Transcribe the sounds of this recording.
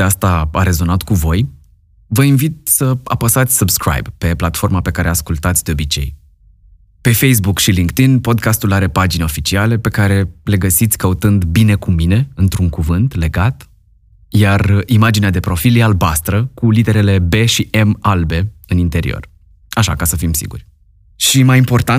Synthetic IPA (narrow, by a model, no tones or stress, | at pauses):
east̪aaɾe̞zo̞nat̪kuvo̞j | vəinvit̪̚səa̰pəsat̪sʲsɨbskɾa̰jbpe̞plat̪fo̞rmape̞kaɾʔeaskult̪at̪sʲd̪e̞o̞bit͡ʃe̞̰j | pe̞fejs̬bukʃiliŋkt̪inpo̞d̪̚kast̪ulaɾe̞pad͡ʒineo̞fit͡ʃiale̞pe̞kaɾe̞le̞ɡəsit̪sʲkəut̪ɨnd̪bine̞kumine̞ɨnt̪ɾuŋkuvɨnt̪le̞ɡat̪ | jarimad͡ʒinead̪e̞pɾo̞filjealbast̪ɾəkulid̪e̞ɾe̞le̞be̞ʃiʔe̞malbe̞ɨnint̪e̞ɾḭo̞̰r | aʃa̰kasəfimsḭɡṵrʲ | ʃimajimpo̞rt̪a